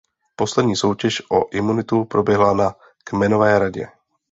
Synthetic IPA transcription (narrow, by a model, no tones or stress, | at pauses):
po̞slɛdɲiːso̞wcɛʃʔoʔɪmunɪt̪upɾo̞bjɛɦlana | kmɛno̞vɛːɾaɟɛ̰